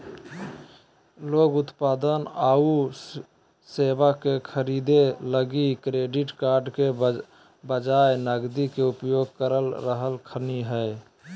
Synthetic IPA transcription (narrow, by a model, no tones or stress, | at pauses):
loɡut̪pad̪ənau | sebakekʰəɾid̪eləɡikɾeɖiʈkaɾɖke | bəd͡ʒaenəɡd̪ikeupjoɡ̚kəɾəlɾəɦəlkʰəniɦəj